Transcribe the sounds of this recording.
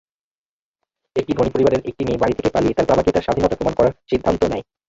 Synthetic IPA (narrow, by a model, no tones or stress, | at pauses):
ek̚ʈibʱonipoɾibaɾeɾʔek̚ʈiniebaɾit̪ʰekepaliet̪aɾbabakit̪aɾʃad̪ʱinɔt̪apɾomankɔɾaɾʃid̪ʱːant̪onɛj